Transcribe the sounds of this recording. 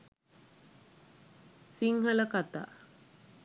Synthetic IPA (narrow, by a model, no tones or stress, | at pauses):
siŋɦələkat̪a̰ː